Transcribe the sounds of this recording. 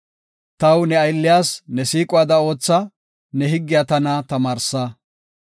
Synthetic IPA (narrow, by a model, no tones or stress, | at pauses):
t̪ɐwnɛɐjlːɪjaːsnɛsiːkʼʊwaːd̪ɐo̞ːt͡sːɐ | nɛɦɪɡːɪjat̪ɐnɐt̪ɐmaːɾsa